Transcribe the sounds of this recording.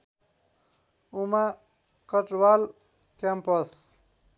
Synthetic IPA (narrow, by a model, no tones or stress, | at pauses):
uma | kəʈwal | kampʌs